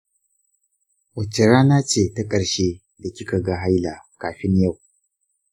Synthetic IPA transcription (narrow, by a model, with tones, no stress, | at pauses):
wɐ˨t͡ʃːɐ˨ɾaː˦na˦t͡ʃeː˦˨ta˦kʼɐ˨ɽʃe˦ | da˨kʲɪ˦ka˨ɡa˦ɦa˦jla˨kaː˨ɸɪ˦ɲja˦˨w